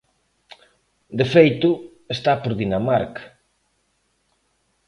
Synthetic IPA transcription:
d̪efejt̪ʊ | est̪apoɾðinamaɾk

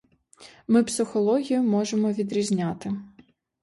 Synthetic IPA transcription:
mɪpsɪxɔlˠɔɦʲijʊmɔʒemɔʋʲid̪ɾʲizʲnʲat̪ɪ

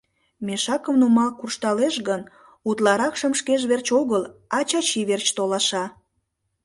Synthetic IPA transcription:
meʃɑkəmnumɑlkurʃt̪ɑleʃɣən | ut̪lɑɾɑkʃəmʃkeʒβert͡ɕoɣəlɑt͡ɕɑt͡ɕiβert͡ɕt̪olɑʃɑ

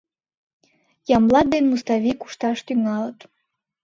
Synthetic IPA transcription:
jɑmlˠɑd̪enmust̪ɑvʲiku̥ʃt̪ɑʃt̪yŋɑlət̪

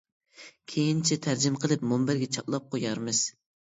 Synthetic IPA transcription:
kʲʰejint͡ʃʰɛt̪ʰæɾd͡ʒɪmqʰəlˠɨp̚mombɪɾɡʲɛt͡ʃʰɑplˠɑp̚qʰojɑɾmɨz̥

